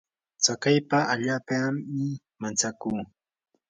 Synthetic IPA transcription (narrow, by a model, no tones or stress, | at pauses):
t͡sakajpaaʎaːpaɪ | mant͡sakuː